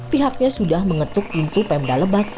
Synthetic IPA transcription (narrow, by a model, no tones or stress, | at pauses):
piɦak̚ɲasudahməŋət̪ʊk̚int̪upɛmdaləbat̪̚